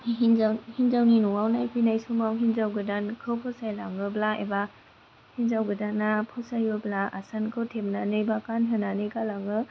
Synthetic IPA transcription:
nahinzawninuŋawnajpʰinajsumawɦinzawɡɯdankʰɯwpʰɔsajlaŋɯblaḛba | hinzawɡɯdanːapʰɔsajɯblaʔa̰sankʰɯwtʰep̚nanɯjbakanɦɯnanɯjkalaŋɯ

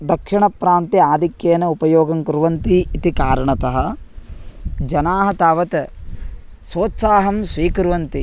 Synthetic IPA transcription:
d̪ɐkʂiɳɐpɾaːnt̪iaːd̪ʱikjeːnɐupɐjoːɡɐŋkɾuʋɐnt̪iːt̪ikaːɾɐɳɐt̪ɐɦɐ̆ | d͡ʒɐnaːɦɐt̪aːʋɐt̪ | soːt̪saːɦɐmsʋiːkɾuʋɐnt̪i

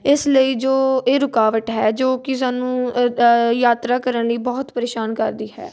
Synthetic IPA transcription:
ɪsləiːd͡ʒoːeːɾʊkaːʋəʈɦɛːd͡ʒoːkɪsaːnũː | jaːt̪ɾaːkəɾənləiːbɔːt̪pəɾeːʃaːnkəɾd̪iːɦɛ̰ː

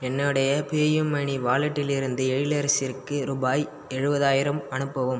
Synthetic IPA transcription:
ɛnːɯɽɐjɐpeːjɯmːɐɳiʋaːɭɐʈːɪlɪɾɯnd̪ɯɛɻɪlɐɾɐsɪrkɯɾʊbaːj | ɛɻɯbɐðaːjɪɾɐmɐnɯpːɐʋɯm

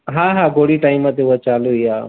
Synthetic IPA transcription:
ɦãːɦãːɡoɽiʈaːɪmat̪euat͡ʃaːluiaː

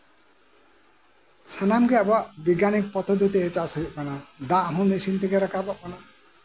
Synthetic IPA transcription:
sʰanamɡɛabaʔbiɡanik̚pɔt̪ʰɔd̪ut̪eet͡ʃasɔɦiʔ̚manad̪ãʔɦũnisint̪iɡɛɾakabɔʔmana

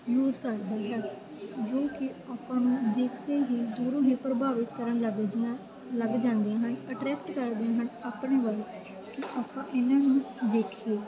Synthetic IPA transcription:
juːzkəɾd̪aːɦɛː | d͡ʒoːkɪaːpãːnũːd̪eːkʰk̪eːɦiːd̪uːɾõːɦẽːpɾəbʱaːʋɪt̪ːəɾənlɡ | ləɡd͡ʒãːnd̪ijãːɦənəʈɾɛːk̚ʈkəɾd̪ijãːɦənaːpɳeːʋəl | kɪʔaːpãːʔɪnãːnũːd̪eːkʰieː

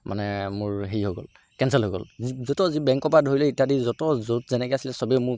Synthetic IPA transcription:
mʔa̰nɛmʊɹɦeiɦoɡɔ̰l | kɛnsɛlɦoɡɔ̰lzɔtɔzibɛŋkɔpadʱoɹilɛitadizɔtɔzotzɛnɛkɛasilɛsɔbɛmʊ

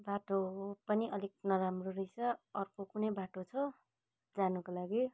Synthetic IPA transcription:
baʈopʌniʔʌlik̚nʌɾamroɾʌjt͡sʰʌʌrkokunʌjbaʈot͡sʰʌ | d͡zanukolaɡi

